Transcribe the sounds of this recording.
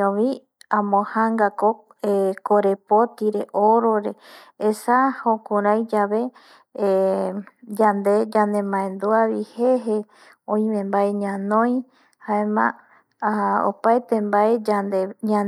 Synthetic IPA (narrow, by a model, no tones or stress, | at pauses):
õʋi | ãmõhaŋɡako | ekoɾepot̪iɾeʔoɾoɾeː | sahokũɾajd͡ʒaβe̞ | d͡ʒand̪e̞d͡ʒand̪e̞mãẽnd̪uaβiheɦe | õĩmẽmbaeɲãnõj̃ | haemã̰ | o̰paet̪embaeaeɲa